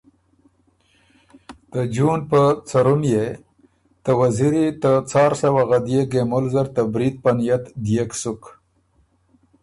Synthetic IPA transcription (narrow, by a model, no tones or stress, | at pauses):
t̪əd͡ʒunpət͡saɾumje | t̪əwaziɾit̪ət͡sɑɾsawaɣad̪jeɡemʊlzaɾt̪əbɾit̪̚panijat̪d̪ijeksʊk